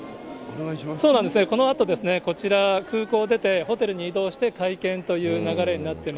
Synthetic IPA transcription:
so̞ːnãnd̪esɨneko̞no̞at̪o̞d̪e̞sɨne̞ko̞t͡ɕiɾakɯ̟ːko̞ːd̪e̞t̪e̞ho̞t̪e̞ɾɯ̟ɲ̟iiːd̪o̞ːɕi̥t̪e̞kaikẽ̞nt̪o̞jɯ̟ːnaɡaɾe̞ɲ̟inat̪ːe̞ma

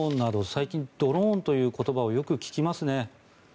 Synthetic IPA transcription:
nːad̪o̞saikʲĩnd̪̥o̞ɾõnt̪o̞jɯ̟ːko̞t̪o̞bao̞jo̞kɯ̟kʲi̥kʲimasɨne̞

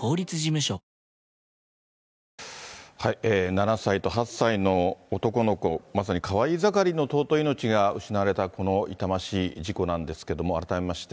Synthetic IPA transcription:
ko̞ːɾʲit͡sɨʑimɯ̟ɕo | haieːnanasait̪o̞ɦasːaino̞ːt̪o̞ko̞no̞ko̞mas̬aɲ̟ikʰaβaizakaɾʲino̞t̪o̞ːt̪o̞ino̞t͡ɕiɡaɯ̟ɕinaβaɾe̞t̪ako̞no̞it̪amaɕiːʑiko̞nãnd̪e̞sɨ̥ke̞d̪o̞mo̞a̰ɾat̪ame̞maɕi̥t̪e

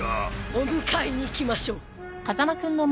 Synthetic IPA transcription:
omɯkʰaiɲ̟iːkʲimaɕoː | kazamakɯ̟̃nːom

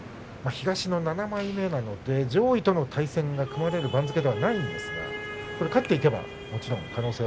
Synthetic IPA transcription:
maçiɡaɕino̞nanamaime̞nano̞d̪e̞d͡ʑo̞ːit̪o̞no̞t̪ʰaisẽ̞ŋɡakɯ̟maɾe̞ɾɯ̟bãnd͡zɨke̞d̪e̞βanaĩnd̪e̞sɨɡa̰ko̞ɾe̞kat̪ːeike̞ba̰ | mo̞t͡ɕiɾõ̞ŋkano̞ːseː

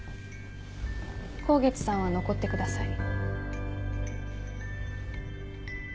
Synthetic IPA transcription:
kʰo̞ːɡe̞t͡sɨ̥sãɰ̃βano̞ko̞t̪ːe̞kɯ̟d̪asai

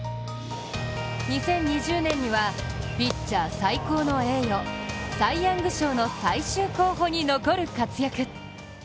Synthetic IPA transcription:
ɲisẽ̞ɲ̟ːiʑɨːnẽ̞ɲ̟ːiβa | pʲit͡ɕːaːsaiko̞ːno̞e̞ːjosaijãŋɡɯ̟ɕo̞ːno̞saiɕɨːko̞ːɦo̞ːɲ̟ino̞ko̞ɾɯ̟kat͡sɨjakɯ̟

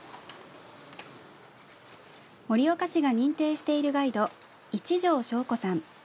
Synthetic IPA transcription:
mo̞ɾʲio̞kaɕiɡaɲ̟ĩnt̪e̞ːɕi̥t̪e̞iɾɯ̟ɡaid̪o̞ | it͡ɕiʑo̞ːɕo̞ːko̞sãɴ

